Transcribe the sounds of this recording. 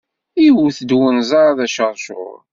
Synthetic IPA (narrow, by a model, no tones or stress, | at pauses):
iwθəd̪wənzɑɾˤaðæʃəɾˤʃʊ̰ɾ